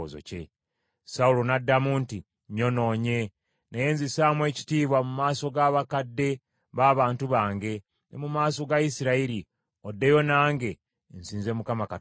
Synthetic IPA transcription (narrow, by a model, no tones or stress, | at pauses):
zo̰ce̞̰ | saulonadːamunti | ɲo̞no̞ːɲe̞ | neje̞ːnzisaːmwe̞ːci̥tiːβwamumaːso̞ɡaβakadːe̞ | βaːβaːntuβaːŋɡe̞ | nemumaːso̞ɡaisiɾaiɾi | odːe̞jo̞naːŋɡe̞ | nsiːnzemukamaka